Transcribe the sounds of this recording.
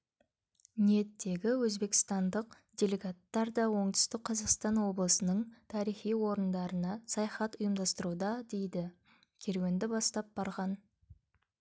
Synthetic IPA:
nije̞t̪ːe̞ɡʲɪwɵzbe̞kʲɪ̥st̪ɑnd̪əq̚ | d̪ʲe̞lʲe̞ɡat̪ːɑɾd̪ɑwo̞ɴt̪ʏ̥st̪ɪk̚qʰːɑzɑqst̪ɑnwo̞blˠəsənəɴt̪ʰɑɾijχijwo̞ɾənd̪ɑɾənɑsɑjɑχɑt̪ʊjəmd̪ɑst̪əɾud̪ɑd̪e̞jd̪ɪ | kʲʰe̞ɾwe̞nd̪ɪbɑst̪ɑp̚b̥ɑɾʁɑn

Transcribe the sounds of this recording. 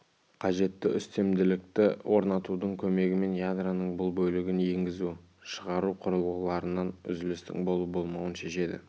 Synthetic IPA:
qʰɑʒe̞t̪ːɪʔʏst̪e̞md̪ɪlɪk̚t̪ɪwʔo̞ɾnɑt̪ud̪əɴkʲʰɵme̞ɡʲɪme̞njad̪ranəɴbʊlˠbɵlɪɡʲɪnje̞ŋɡʲɪzu | ʃəʁɑɾuqʰʊɾəlˠʁəlˠɑɾənɑnʏ̰zɪlɪst̪ɪ̰ŋbo̞lˠəbo̞lˠmɑwənʃe̞ʃe̞d̪ɪ̰

